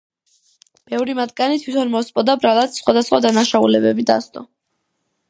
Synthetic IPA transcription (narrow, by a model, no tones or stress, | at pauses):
b̥ɛvɾimat̪ɡanit̪ʰwit̪ʰɔnmɔspʼɔd̪abɾalˠat̪sχwad̪asχwad̪anaʃaulɛbɛbid̪ast̪ʼɔ